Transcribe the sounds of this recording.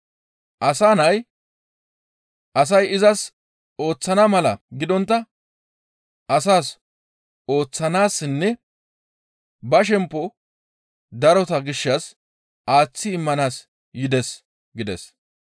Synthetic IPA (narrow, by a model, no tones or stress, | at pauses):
ʔɐsaːnɐj | ʔɐs̬ɐjɪzɐs | o̞ːt͡sːɐnɐmɐlɐɡɪd̪ɔnt̪ːɐ | ɐsaːs | o̞ːt͡sːɐnaːsːɪnːɛ | bɐʃ̬ɛmpːɔ | d̪ɐɾɔt̪ɐɡɪʃːɐs | ʔaːt͡sːɪːmːɐnaːs | jɪd̪ɛs | ɡɪd̪ɛ̰s